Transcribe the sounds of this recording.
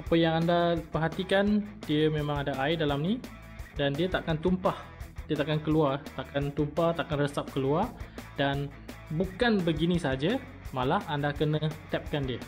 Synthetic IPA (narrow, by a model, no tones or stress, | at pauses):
apəjaŋandapəɦat̪ikandiəmẽmãŋadaʔaɪdalamni | dandiət̪aʔkant̪umpah | diət̪aʔkankəluart̪aʔkant̪umpat̪aʔkanrəsap̚kəluardan | bukanbəɡinĩsəɦad͡ʒa | malahandakənə̃t̪ɛp̚kandiə